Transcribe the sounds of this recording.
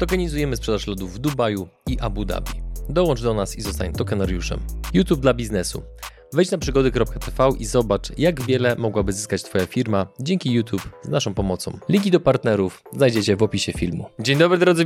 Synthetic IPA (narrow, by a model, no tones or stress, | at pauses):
t̪ɔkɛɲizujɛmɘspʂɛd̪aʂlɔd̪uvːd̪ubaju | iʔabud̪a̰bʲid̪ɔwɔnt͡ʂd̪ɔnasizɔst̪aɲt̪ɔkɛnaɾjuʂɛ̰mjut̪jub̚d̪labʲiznɛsṵ | vɛjt͡ɕnapʂɘɡɔd̪ɛkɾɔp̚kat̪ɛfɛwʔizɔbat͡ʂjaɡvʲjɛlɛmɔɡwabɘzɘskat͡ɕt̪fɔjafʲiɾmad͡ʑɛŋkʲijut̪ʰjupznaʂɔ̃w̃pɔmɔt̪sɔ̰̃mlʲiɡʲid̪ɔpaɾt̪nɛɾuf | znajd͡ʑet͡ɕɛvɔpʲiɕɛfʲilmud͡ʑeɲd̪ɔbɾɘd̪ɾɔd̪zɘ